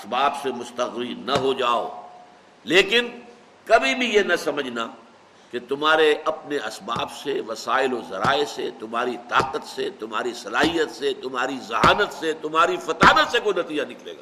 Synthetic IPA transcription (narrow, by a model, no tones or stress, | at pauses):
ɐsbaːbsemʊst̪ɐɣɾinɐɦod͡ʒaːo̰ | leːkɪn | kɐbʱibʱijenɐsɐməd͡ʒʱna | ket̪ʊmɦaːɾeʔɐpneɐsbaːbseʋɐsaːɪlozɐ̰ɾa̰ːeset̪ʊmaːɾit̪aːqət̪set̪ʊmɦaːɾisɐlaːɦijət̪set̪ʊmɦaːɾizɐɦaːnət̪set̪ʊmɦaːɾifɐt̪aːnasekonɐt̪iːd͡ʒanɪklḛːɡaː